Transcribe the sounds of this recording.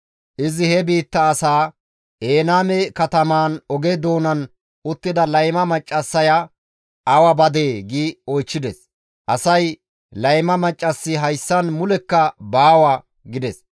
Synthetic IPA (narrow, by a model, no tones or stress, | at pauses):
ʔɪzɪhɛbiːt̪ːɐːsaː | ʔeːnaːmɛkɐt̪ɐmaːnɔɡed̪o̞ːnɐn | ʔʊt̪ːɪd̪ɐlɐjmɐmɐt͡ʃʼːɐsːɐja | ʔɐwɐbɐd̪e̞ːɡiːɔjt͡ʃːɪd̪ɛs | ʔɐsɐj | lɐjmɐmɐt͡ʃʼːɐsːɪɦɐjsːɐnmʊlɛkːɐbaːwa | ɡɪd̪ɛs